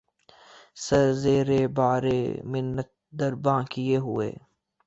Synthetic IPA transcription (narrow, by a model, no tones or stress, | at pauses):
sɐɾzeːɾeːbaːɾḛːmɪnːət̪̚d̪ɐɾbãːkɪeɦʊḛː